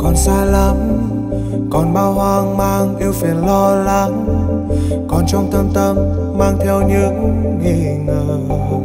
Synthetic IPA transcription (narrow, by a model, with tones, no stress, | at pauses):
kɔ˨˩nsaː˧la˧˩m | kɔ˨˩nɓaː˧whwaː˧ŋmaː˧ŋʔ̪i˧əwfi˨˩ənlɔ˧la˧ŋ | kɔ˨˩nt͡ɕɔ˧wŋ͡mt̪ʰə˧mt̪ə˧mː | aː˧ŋt̪ʰɛ˧wɲɨ˧˦˥ək | ŋi˧˩ | ŋəː˨˩